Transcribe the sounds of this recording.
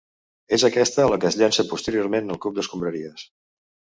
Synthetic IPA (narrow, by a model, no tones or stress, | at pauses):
ezəkɛst̪əːləkəzʎansəpust̪əɾioɾmenəlˠkup̚d̪əskumbɾəɾiəs